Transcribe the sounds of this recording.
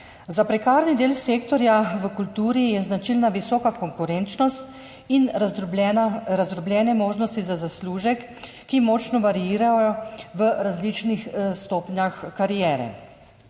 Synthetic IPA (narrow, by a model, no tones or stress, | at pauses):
zapɾɛkaːɾnid̪eːlseːkt̪ɔɾjaʋəkult̪uːɾijɛznat͡ʃilnaʋisɔːkakɔŋkuɾɛnt͡ʃnɔst̪ | in | ɾazɾɔbljɛːnɛmoːʒnɔst̪izazasluːʒɛkː | imɔːt͡ʃnɔʋaɾijiːɾajjɔʋəɾazlit͡ʃnixst̪oːpɲjaxkaɾijɛːɾɛ̰